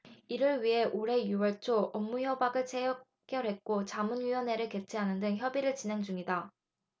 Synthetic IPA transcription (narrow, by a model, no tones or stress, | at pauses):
iɾɯɭɥiɦe̞ʔoɾe̞juwʌɭt͡ɕʰoʔʌmːuçjʌbaɡɯɭt͡ɕʰejʌ | k͈jʌɾɦe̞t̚k͈ot͡ɕamunɥiwʌneɾɯɭke̞t͡ɕʰeɦanɯndɯŋçjʌbiɾɯɭt͡ɕinɦe̞ŋd͡ʑuŋida